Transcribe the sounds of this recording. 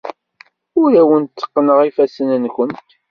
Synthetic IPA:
ʊɾæwənt̪ːə̥qːnəʁifæsənənçənt̪

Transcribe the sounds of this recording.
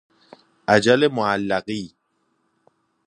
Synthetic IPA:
ad͡ʒalemɔalːaɣi

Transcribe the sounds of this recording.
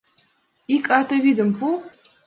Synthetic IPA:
ikʼatʰɐwidɨmpʰu

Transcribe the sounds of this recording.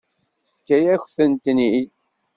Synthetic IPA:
θfkːæjæçθənt̪ni

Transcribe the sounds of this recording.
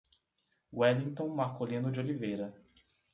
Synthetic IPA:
wɛlĩŋt̪õw̃mahkolĩnʊd͡ʒɪolivejɾɐ

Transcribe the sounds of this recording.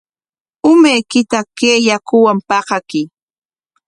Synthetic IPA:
ʊmajkɪt̪akeːjakʊwampɑqɑkɪ

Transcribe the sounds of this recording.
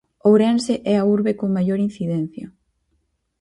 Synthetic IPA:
owɾɛnseʔɛauɾβekoŋmajoɾin̟θiðɛn̟θjo

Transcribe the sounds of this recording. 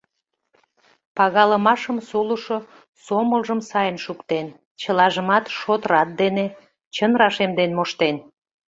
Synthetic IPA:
pɑɣɑləmɑʃəmsoluʃo | soməlʒəmsɑjənʃukt̪en | t͡ɕəlɑʒəmɑt̪ʃot̪əɾɑt̪̚d̪ene | t͡ɕənɾɑʃemd̪enmoʃt̪en

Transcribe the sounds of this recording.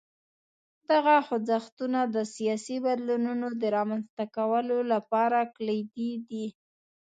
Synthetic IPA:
d̪̥aɣaxʊd͡zaxt̪unad̪əsijɑsibad̪lununod̪əɾɑmanst̪akawəlolapɑɾaklajd̪id̪i

